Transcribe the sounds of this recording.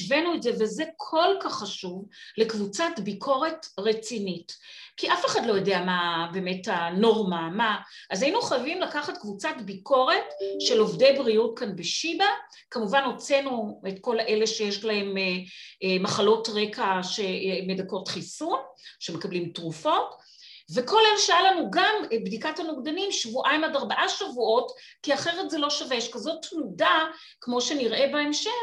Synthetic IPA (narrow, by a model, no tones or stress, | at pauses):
ʃvenuetzeveze̞kʰo̞lkaχːaʃuvle̞kvut͡satbikʰo̞ʁe̞tʁet͡sinitkiʔafeχadlo̞jodeamabe̞ːme̞thano̞ʁmamaʔazajinuχajavimlakaχatkvut͡satbikʰo̞ʁe̞tʃe̞lo̞vde̞jbʁijutkanbeʃiba | kamuvanot͡senuetko̞lʔeleʃe̞jeʃlahe̞memaχalo̞tʁekaʃemedako̞tχisunʃemekablimtʁufo̞t | ve̞ko̞lelʃaalanuɡambdikathanoɡdanimʃvuʔaimadaʁbaʔaʃavuʔo̞tkiaχe̞ʁetzelo̞ʃaveʃkazo̞tmuda | kmo̞ʃe̞niʁʔe̞baemʃe